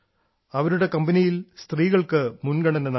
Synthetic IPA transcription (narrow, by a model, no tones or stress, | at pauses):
ɐʋɐɾuɽe̞kɐmbɐnijilst̪riːɣɐɭkɨmunɡɐɳɐnɐnɐ